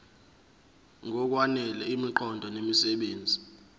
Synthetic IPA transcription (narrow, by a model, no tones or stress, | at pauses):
ŋʱɔk̬wanɛlɛimiǃʰɔndʱɔnemisɛɓeːnd͡zʱi